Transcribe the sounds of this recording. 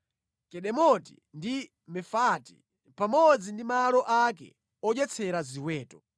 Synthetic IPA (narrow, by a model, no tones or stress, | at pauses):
kɛɗɛmɔtḭndi | mɛfati̥̰ | pamɔd͡zindimalɔʔakɛ̰ | ɔd͡ʒɛt͡sʰɛɾaziwɛːtɔ̥